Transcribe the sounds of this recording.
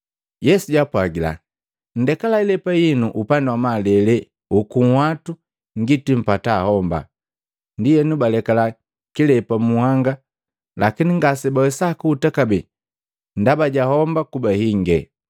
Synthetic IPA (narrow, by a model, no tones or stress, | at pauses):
jɛsuɟapwaɡila̰ | n̩dɛkalailɛpajinuʔupandawamalɛlɛ | ukuŋ̩hwatu | ŋɡitim̩pataːhɔmba̰ | ndijɛnubalɛkala | kilɛpamuhaŋɡa | lakiniŋɡasɛbawɛsakuːtakabɛ | ndabaɟahɔmbakubahiŋɡɛ̰